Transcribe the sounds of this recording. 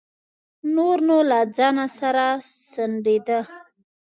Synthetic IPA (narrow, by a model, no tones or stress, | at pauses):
noɾnolad͡zɑnasaɾasəɳɖed̪ə